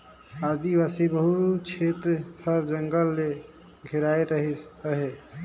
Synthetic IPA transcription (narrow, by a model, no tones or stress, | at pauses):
ad̪ibasibəɦut͡ʃʰet̪ɾəpʰəɾd͡ʒəŋɡəlːe | ɡʱiɾajɾəɦisəɦe